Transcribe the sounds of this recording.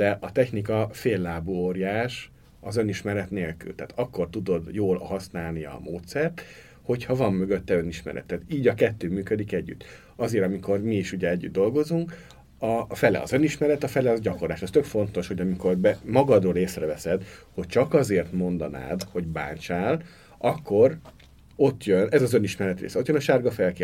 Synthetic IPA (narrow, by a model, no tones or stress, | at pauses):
d̪̥ɛʔɒt̪ɛçnikɒfeːlːaːbuoːɾijaːʃ | ɒzø̞niʃmɛɾɛt̪neːlky̰lt̪aːt̪ɒkːo̞rt̪ud̪o̞d̪joːlhɒsnaːlnijɒ̰moːt̪sɛrt̪ | ho̞chɒvɒmːøɡø̞t̪ːɛø̞niʃmɛ̰ɾɛ̰t̪ːɛːt̪iːɟɒkɛt̪ːøːmyːkød̪ikɛɟːy̰t̪ː | ɒzeːɾɒmiko̞rmiːʃuɟɛɛɟːyd̪d̪o̞lɡo̞zuŋk | ɒfɛlɛ̰ɒ̰zø̞niʃmɛɾɛt̪ɒfɛlɛɒzɟɒkorlaːʃɒst̪økfo̞n̪t̪o̞ʃho̞ɟɒmiko̞rbɛmɒɡɒd̪roːleːsrɛvɛsɛd̪ho̞c̚t͡ʃɒkɒzeːrt̪mo̞nd̪ɒna̰ːd̪ho̞ɟba̰ːnt͡ʃaːl | ɒkːo̞r | o̞t̪ːjønɛzɒzø̞niʃmɛɾɛt̪rḛːsɛo̞t̪jønɒʃaːrɡɒfɛlkː